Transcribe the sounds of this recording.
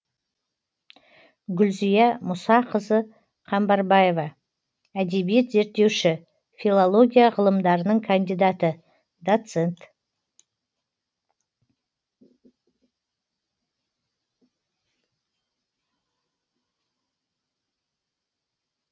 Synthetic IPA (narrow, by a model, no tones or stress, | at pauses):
ɡʲʏlzijɑmʊsɑqʰəzə | qʰɑmbɑɾbɑjevɑ | æd̪e̞bije̞t̪ze̞ɾt̪ːe̞wʃɪ | fʲilˠolˠo̞ɡʲijaʁəlˠəmd̪ɑɾənəɴkʰand̪ijd̪ɑt̪ə | d̪ot̪se̞nt̪